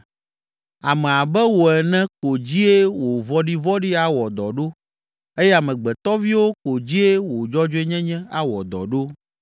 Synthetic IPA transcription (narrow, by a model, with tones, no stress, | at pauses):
a˨mɛ̃˨a˨bɛ˦wo˨ɛ˨nɛ̃˦ko˨d͡ʑi˦e˦wo˨vɔ˦ɖi˦vɔ˦ɖi˦a˦wɔ˨d̪ɔ˨ɖo˦ | e˦jɛ˦a˨mɛ̃˨ɡ͡bɛ˨t̪ɔ˦vi˦wo˦ko˨d͡ʑi˦e˦wo˨d͡ʒɔ˦d͡ʒo˦ɛ˦ɲɛ̃˦ɲɛ̃˦a̰˦wɔ̰˨d̪ɔ̰˨ɖo˦